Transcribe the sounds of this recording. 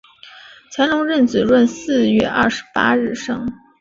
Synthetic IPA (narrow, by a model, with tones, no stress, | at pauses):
t͡ɕʰjɛ˧˥nlʊ˧˥ŋɻə˥˩nt͡sɹ̩˨˩ɻwə˥˧nsɹ̩˥˧ɥɛ˥˧ʔɐ̰˥˩ʂɻ̩˧˥pa̰˥ɻɻ̩˥˩ʂɤ˥ŋ